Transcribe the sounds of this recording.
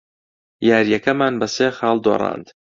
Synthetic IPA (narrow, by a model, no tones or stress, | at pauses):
jaːɾjɐkɐmaːnbɐseːxɑːlˠd̪o̰rˤɑ̰ːnd̪